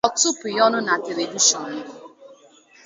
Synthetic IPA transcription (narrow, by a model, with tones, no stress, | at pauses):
ɔ˨tu˦pʊ˨jɔ˦nʊ˦na˨te˨ɾe˨di˦ʃɔ˨n˨˦